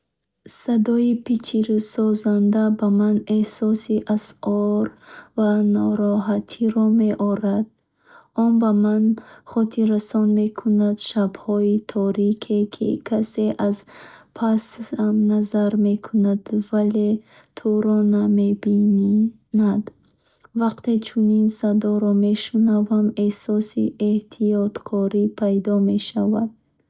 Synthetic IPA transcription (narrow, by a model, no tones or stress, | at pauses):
sad̪ɔipʰit͡ʃʰiɾusɔzand̪abamanehsɔsiʔasɔɾvanɔɾɔɦat̪ʰiɾɔmeʔɔɾad̪̚ | ɔnbamanχɔt̪ʰiɾasɔnme̞kʰunad̪ʃabhɔit̪ʰɔɾikʰekʰḭkʰase̞ʔazpʰasamnazaɾmekʰunad̪vale̞ | t̪ʰuɾɔnamebi | nad̪ | vaqt̪e̞t͡ʃʰuninsad̪ɔɾɔme̞ʃunavamesɔsḭeht̪ʰijɔt̪kʰɔɾipʰajd̪ɔme̞ʃavad̪̥̚